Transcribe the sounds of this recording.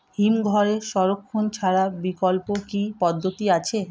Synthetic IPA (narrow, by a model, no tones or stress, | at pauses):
himɡʱɔɾeʃɔɾokʰːont͡ɕʰaɾabikɔlpokipɔd̪ʱːot̪iat͡ɕʰe